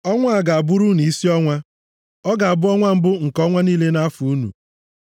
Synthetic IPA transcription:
ɔ˦ŋʷa˦a˨ɡa˨a˨bʊ˦ɾu˦ni˨i˦si˦ɔ˦ŋʷa˦ | ɔ˦ɡa˨a˨bʊ˦ɔ˦ŋʷa˦m̩˦bʊ˦ŋ̩˨kɔ˦ŋʷa˦niː˦le˦na˦fu˨u˦nṵ˨

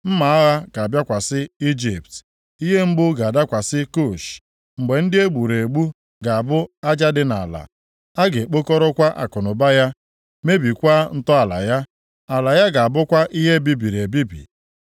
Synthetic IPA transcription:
m̩˦ma˨a˦ɣa˦ka˨a˨bja˦kʷa˨sɪ˦i˦d͡ʒi˨p̚t | i˦ɦe˦m̩˦ɡ͡bʊ˦ɡa˨da˦kʷa˨sɪ˦ko˦˨ʃ | ŋ͡m̩˨ɡ͡be˨n̩˦dɪ˦e˦ɡ͡bu˨ɾe˨ɡ͡bu˦ | ɡa˨a˨bʊ˦a˦d͡ʒa˦dɪ˦na̰˨la̰˨ | a˦ɡe˨k͡po˦ko˦ɾɔ˦kʷa˦ʔa̰˨kʊ˨nʊ˨ba˦ja˦ | me˦bi˨kʷa˦n̩˦tɔ˦a˨la̰˨ja˦ | a˨la˨ja˦ɡa˨a˨bʊ˦kʷa˦ʔi˦ɦe˦bi˦bi˨ɾe˨bi˦bḭ˨

